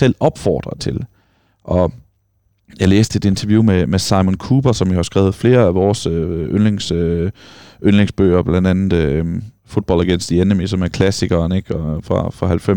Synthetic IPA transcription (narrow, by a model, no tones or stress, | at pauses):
sel̰ɒ̽b̥fɒ̰ːd̥ʁɐt͡sʰe̝l | ʔɒ̽ | jɑ̈ɪlḛːsd̥əe̝d̥e̝nt͡sʰɐʋjumemesɑ̈ɪmonkʰuːb̥ɐsɒ̽mʋihɑ̈sɡ̥ɛ̰ːʊð̞̩ˠfle̝ːɐæʋɒːsøønleŋs | ʔønleŋsb̥ø̰ːɐb̥læn̰d̥ænð̩ˠ | fo̝d̥̚b̥ɒ̽l̰æɡ̥en̰sd̥ienəmisɒ̽mæɐkʰlæsiɡ̥ɐːne̝ɡ̥ɒfʁɑ̈fʁɑ̈hælfem